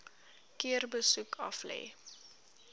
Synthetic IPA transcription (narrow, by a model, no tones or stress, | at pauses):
kiərbəsukʰɐflɛ̰ː